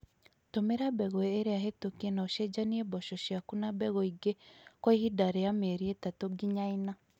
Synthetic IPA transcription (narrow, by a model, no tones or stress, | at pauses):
tomeɾabɛɣɔeːɾeaɦetokienaoʃed͡ʒaniebɔʃɔʃiakunabɛɣɔiɡekwaihidaɾejameɾietatoɡiɲaina